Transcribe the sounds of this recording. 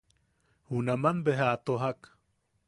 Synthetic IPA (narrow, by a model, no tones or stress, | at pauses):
hunamanbeɦat̪oɦak